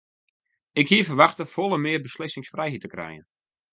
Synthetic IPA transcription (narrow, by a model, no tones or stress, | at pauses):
ɪkhiəfərʋaxtəfolˠənmɪərbəslɪsɪŋsfrɛjɦitəkrɛ̰jə̰n